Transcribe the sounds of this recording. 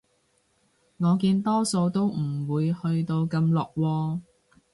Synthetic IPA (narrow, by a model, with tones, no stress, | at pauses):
ŋɔː˨˧kiː˧nt̪ɔː˥so˧wt̪o˥wm̩˨˩wuː˨˧jhɵ˧ɥt̪o˧wkɐ˧mlɔː˨k̚wɔː˧